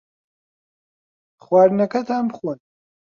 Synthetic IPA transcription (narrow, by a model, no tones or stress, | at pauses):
χwaːɾnɐkʰɐt̪ʰaːmbχwon